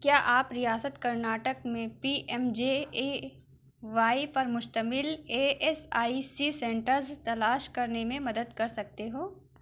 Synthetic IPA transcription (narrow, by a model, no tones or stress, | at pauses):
kjaːʔaːpɾijaːsət̪kɐɾnaːʈəkmẽpiʔɛmd͡ʒee | ʋaːipɐɾmʊʃt̪əmɪleːʔɛsaːisisɛ̃ːɳʈəɾzt̪ɐlaːʃkɐɾnemẽmɐd̪əd̪kɐɾsɐk̚t̪eɦoː